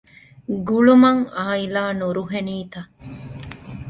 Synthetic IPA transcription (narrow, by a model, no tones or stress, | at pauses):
ɡuɭumɐŋaːilaːnuɾuɦeniːt̪ɐ